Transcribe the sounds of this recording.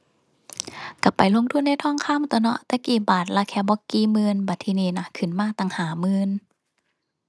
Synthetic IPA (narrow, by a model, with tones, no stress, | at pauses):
ka˨˧˩pa˨˦jlo˧˨ŋt̪ʰu˧˥˨nːa˧˩jt̪ʰɔː˧˥˨ŋkʰaː˧˥˨mt̪ɔ˧nɔ̰˧˨ʔt̪ɛ˧˦kiː˨˩baː˨˩t̪̚la˧kʰɛː˧˩bɔ˧˦kiː˧˩mɯː˧nbaː˨˩t̪ʰːiː˧˨niː˧na˧kʰɯ˨˩˨nmaː˧˥˩t̪a˧˩ŋhaː˨˦mɯː˧n